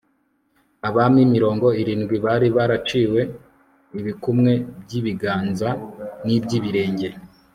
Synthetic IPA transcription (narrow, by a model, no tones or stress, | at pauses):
aβamimiɾo̞ːŋɡo̞iɾiːnɡwiβaːɾiβaɾat͡ʃiːwe̞ | iβikumŋe̞bɟiβiɡaːnzanibɟiːβiɾe̞ːɲɟe